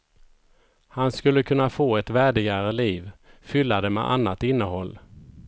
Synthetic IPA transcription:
hanskɵlːəkʰɵnːafoːɛt̪væːɖɪɡaɾəliːvfʏlːad̪ɛmɛ̰ʔa̰nːat̪ɪnːəɦɔlː

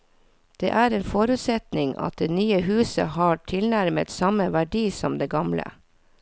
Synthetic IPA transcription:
d̪̥eːʔæːɾeːnfɔɾʉt̪sɛt̪nɪŋɑ̰t̪̚d̪eːnyːəhʉːsə̰hɑːʈʰɪlnæɾmət̪sɑməʋæɖiːsɔmd̪eːɡɑmlə̰

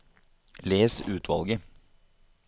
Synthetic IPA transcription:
leːsʉːt̪ʰʋɑ̰lˠɡə

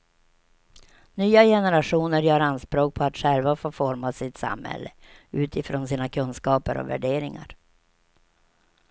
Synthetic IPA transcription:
nyːajɛnɛɾaʂuːnəɾjœːɾanspɾoːk̚pʰɔat̪ɧɛlvafoːfɔɾmasɪt̪sa̰mhɛ̰lːəʉ̟ːt̪ɪfɾoːnsiːnakʰɵnskɑːpəɾɔ̰væ̰ɖeːɾɪŋa̰ɾ

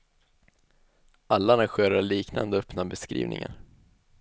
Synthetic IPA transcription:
alːanaɧøːɾaɭiːkna̰nd̪əœpnabɛskɾḭːvnɪŋa̰n

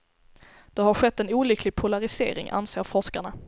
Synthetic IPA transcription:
d̪̥ɛɦaɾɧɛt̪ːɛnuːlʏkʰlɪɡ̚pʰʊlaɾɪsḛːɾɪ̰ŋʔa̰nseːɾfɔʂkaɳa

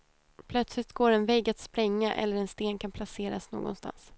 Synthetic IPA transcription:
pʰlœt̪slɪt̪̚ɡoːɾɛnvɛɡat̪spɾɛŋːaʔɛ̰lːəɾɛnst̪eːnkʰanpʰlaseːɾasno̰ːɡɔ̰nst̪a̰ns

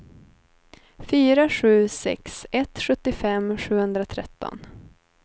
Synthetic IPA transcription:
fyːɾaɧʉ̟ːsɛ̰ksɛt̪ɧɵt̪ːɪfɛmːɧʉ̟ːhɵnd̪ɾat̪ʰɾɛ̰t̪ːɔ̰n

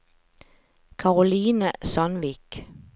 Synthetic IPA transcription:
kʰɑʁʊliːnəsɑnʋiːk

